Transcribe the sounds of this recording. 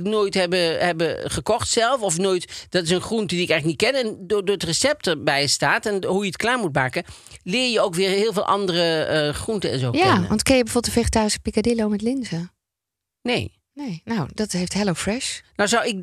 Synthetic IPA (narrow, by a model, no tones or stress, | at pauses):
knoːjtɦɛbəɦɛbəχəkɔχtsɛlˠfɔfnoːjtd̥ɑtɪsənχruntədiɪkɛjχlənit̚kɛnɛndodʊːɹətrəsɛp̚təbɛjstaːtɛnɦujətklaːɹmutmaːkə | lɪːɹjəowkʋɪːɹɦɪːlˠvɪːlʔɑ̰ndərəχruntəɛ̰nzo̰jaʋɑntkɪnjəbəvoːbətfeχətaːrisə̥pikadɪlowmɛtlɪnzə | nḛj | nejnowdɑtɦejftɦɛlowfɹɛʃnawzɑwɪk̚